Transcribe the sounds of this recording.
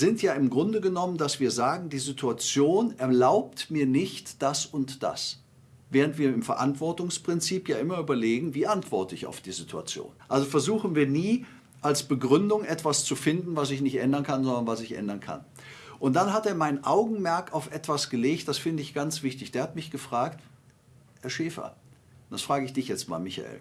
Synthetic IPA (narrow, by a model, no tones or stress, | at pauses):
zɪntjaːɪmɡʁʊndəɡənɔməndasv̥iːɐzaːɡŋ̩diːzitʰuat͡sjoːnʔɛɐlaʊp̚tmiːɐnɪçtd̥asʊntd̥a̰s | veːʁ̞əntv̥iːɐɪmfɛɐʔa̰ntv̥ɔɐtʊŋspʁ̥ɪnt͡siːpjaːʔɪmɐyːbɐleːɡŋ̩viːʔantv̥ɔɐtəɪça̰ʊfd̥iːzitʰua̰t͡sjo̰ːnʔalzofɛɐzuːxn̩viːɐniː | ʔalsb̥əɡʁʏndʊŋʔɛtv̥ast͡sufɪndn̩vas̬ɪçnɪçtʔɛndɐnkʰanzɔndɐnvasɪçʔɛ̰ndɐnkʰa̰n | ʔʊnt̚d̥anɦateːɐmaɪnənʔaʊɡŋ̩mɛɐkaʊfʔɛtv̥asɡ̥əleːçtd̥asfɪndəɪçɡ̥ant͡sv̥ɪçtɪçd̥eːɐhatmɪçɡ̥əfʁ̥aːkt | hɛɐʃɛːfɐ̰ | nd̥asfʁ̥aːɡəɪçd̥ɪçjɛt͡stma̰ːlmɪça̰ḛːl